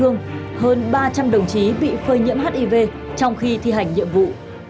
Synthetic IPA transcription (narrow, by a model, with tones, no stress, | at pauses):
ɨ˧əŋhəː˧nɓaː˧t͡ɕa˧mɗə˨˩wŋ͡mt͡ɕi˨˦ɓḭ˧˨fəː˧˩jɲḭ˧˥əmhaː˦˥t̚ʔi˧˩ve˧ | t͡ɕɔ˧wŋ͡mxi˧t̪ʰi˧ɦa˨˩jŋ̟ɲḭ˧əmvṵ˧˨